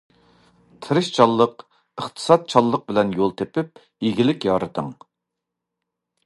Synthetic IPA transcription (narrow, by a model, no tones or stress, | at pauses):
t̪ʰɨɾɨʃt͡ʃʰɑlˠːəq | əχt̪ʰɨ̥sɑt̪̚t͡ʃʰɑlˠːəq̚bɪlɛnjolˠt̪ʰepɪp̚ | iɡʲilɪkʲjɑːɾɨt̪ʰəŋ